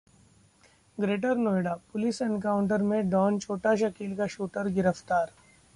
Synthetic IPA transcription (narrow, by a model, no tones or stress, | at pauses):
ɡɾeːʈəɾnoːjɖapʊlɪsɛnkaːʊɳʈəɾmẽɖɔːnt͡ʃʰoːʈaʃ̬ɐkiːlkaʃuːʈəɾɡɪɾəft̪aːɾ